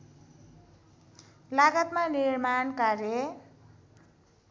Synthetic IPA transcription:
laɡʌt̪manirmankarjʌ

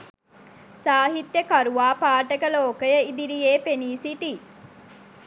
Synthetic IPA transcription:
saːɦit̪jəkaɾuʋaːpaːʈəkəloːkəjəid̪iɾijeːpeniːsiʈi

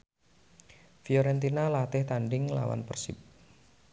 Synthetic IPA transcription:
fijɔɾɛnt̪inalat̪ɪht̪anɖɪŋla̰wa̰npərsɪp̚

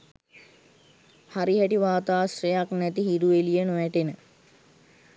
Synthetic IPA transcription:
haɾiɦɛʈiʋaːt̪aːsrejaknɛt̪iɦiɾuʋelijənoʋæʈenə

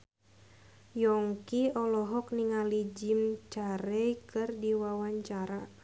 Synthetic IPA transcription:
jɔŋkiɔlɔɦɔk̚niŋalid͡ʒimt͡ʃaɾɛjkɨrdiwawaɲt͡ʃaɾa

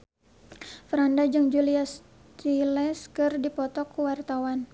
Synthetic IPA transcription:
fɾandad͡ʒɨŋd͡ʒulias | t͡ʃilɛskɨrdipɔt̪ɔkːuwart̪awan

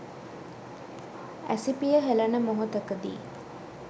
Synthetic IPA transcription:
æ̰sipijəɦelənəmoɦut̪əkəd̪ḭː

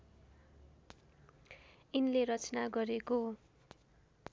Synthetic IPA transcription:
inleɾʌt͡sʌnaɡʌɾeko

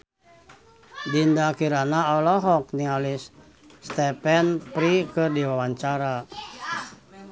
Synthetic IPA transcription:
dindakiɾanaɔlɔɦɔk̚nialisː | t̪ɛpɛnpɾikɨrdiwawaɲt͡ʃaɾa

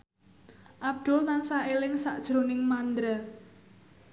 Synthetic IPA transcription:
ʔab̚d̪̥ʊ̤lnansaelɪŋsaʔd̥ʒ̥ɾonɪŋmand̪ɾa

